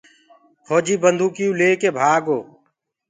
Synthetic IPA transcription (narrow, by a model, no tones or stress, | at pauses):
kʰoːd͡ʒiːbənd̪ʱuːkijũːleːkeːbʱaːɡoː